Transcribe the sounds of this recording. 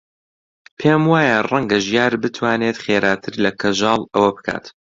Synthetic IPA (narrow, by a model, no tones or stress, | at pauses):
pʰeːmwaːjarɐŋɡɐʒjaːɾbɨt̪ʰwaːneːt̪χeːɾaːt̪ʰɨɾlɐkʰɐʒɑːlˠɐwɐbɨkʰa̰ːt̪